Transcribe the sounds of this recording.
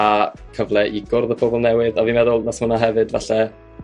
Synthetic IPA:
akʰəvlˠɛʔiɡʊrðəpʰobɔlˠnɛwɪðavimɛðʊlˠnasmənaɦɛvɨdvaɬɛ

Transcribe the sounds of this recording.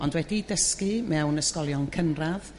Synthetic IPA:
ɔndwɛdidəskimɛwnəskɔlˠjɔnkʰənrað̥

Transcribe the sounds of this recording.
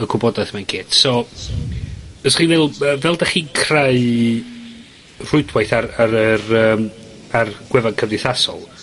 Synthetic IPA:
əkʰʊbɔdajθmankʰeːtsɔ | b̥əsχiːvɛlˠəvɛlˠdaχiːnkʰraɨ | r̥ʊɨdwajθaraɾərəːm | arɡ̥wɛvankʰəvdɪθasɔ̰lˠ

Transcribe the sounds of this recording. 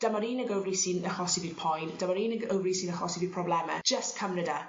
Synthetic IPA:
d̥amaɾiːnəɡəwvrisinəχɔsiviːd̥̚pʰɔjnd̥amaɾiːnəɡəwvrisiːnəχɔsiviːd̥̚pʰrɔblɛmɛ̰̥d͡ʒ̥əstkʰəmnədɛr

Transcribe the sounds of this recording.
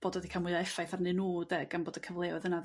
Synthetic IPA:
b̥oːdɔðikʰamʊɨɔɛfajθarnɨnuːdɛɡ̥anboːdəkʰəvlˠeːɔðəna

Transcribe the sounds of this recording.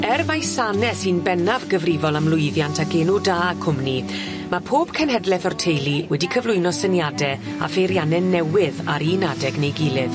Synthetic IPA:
ɛrmajsanɛsinbɛnavɡəvrɪvɔlˠamlˠʊɨðjantʰaɡeːnudaːkʰʊmni | mapʰoːb̥kʰənɦɛdlɛθɔrtʰejlˠiwɛdikʰəvlˠʊɨnɔsənjadɛ | a̰fejɾjanɛnɛwɪðaɾiːnadɛɡnejɡɪlˠɪð

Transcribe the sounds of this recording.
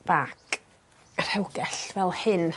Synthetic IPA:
b̥ak | r̥ɛwɡɛɬvɛlˠhɨn

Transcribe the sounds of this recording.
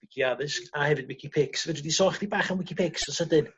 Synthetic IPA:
ɪkʰiaðɨskahɛvɨd̚wɪkʰipʰɪksvɛdwɪdisɔχd̥ibaːχanwɪkʰipʰɪksɔsədɨn

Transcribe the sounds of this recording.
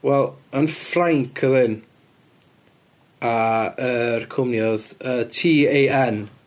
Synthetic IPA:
wɛlˠənfraŋkʰəðɪn | aərkʰʊmnjɔðəːtʰiːejʔɛn

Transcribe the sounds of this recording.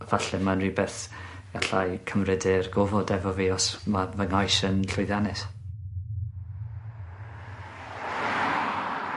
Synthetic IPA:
vaɬɛmanribɛθ | ɡ̥aɬajkʰəmrɛdɪrɡɔvɔdɛvɔveɔsmavəŋajsənɬʊjðjanɛs

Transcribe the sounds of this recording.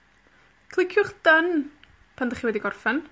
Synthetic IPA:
kʰlˠɪkʰjʊχd̥ən | pʰandəχiwɛdiɡɔrfɛn

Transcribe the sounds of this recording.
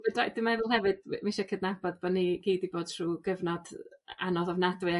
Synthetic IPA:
ədadɪmaɛvlˠɦɛvɨd̥miʃakʰədnabɔdbaniɡ̥iːdiboːd̥ʰr̥uːɡ̥əvnɔda̰nɔðɔvnadwɨ

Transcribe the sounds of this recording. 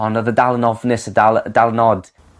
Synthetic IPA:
ɔnɔðədalˠənɔvnɨsədalˠdalˠənɔd̥

